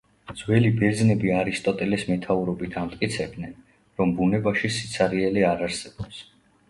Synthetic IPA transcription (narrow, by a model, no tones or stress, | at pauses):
d̪z̥wɛlibɛɾd̪znɛbiaɾist̪ʼɔt̪ʼɛlɛsmɛt̪ʰauɾɔbit̪ʰamt̪ʼkʼit̪sʰɛb̚d̪nɛn | ɾɔmbunɛbaʃisit̪sʰaɾiɛliaɾaɾsɛb̥ɔps